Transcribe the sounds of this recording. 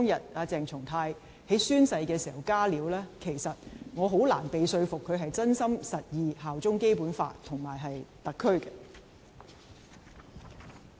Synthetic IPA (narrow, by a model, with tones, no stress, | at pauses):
ɔ˥ŋjɐ˨˩t̚aː˨˧t͡sɛː˨ŋt͡sʰʊ˨˩ŋt̪ʰaː˧j | he˨˥jsyː˥nsɐ˧jkɛː˧siː˨˩hɐ˨˩wkaː˥liː˨˥wlɛː˥kʰe˨˩jsɐ˨t̚ŋɔː˨˧ɦo˨˥wla̰ː˨˩npe˨jsɵ˧ɥfʊ˨kʰːɵ˨˧ɥɦɐ˨jt͡sɐ˥nsɐ˥msɐ˨t̚jiː˨ɦaː˨wt͡sʊ˥ŋke˥jpuː˨˥nfa̰ː˧t̪ʰʊ˨˩ŋmaː˨˩jɦɐ˨jt̪ɐ˨kʰːɵ˥ɥkɐ˧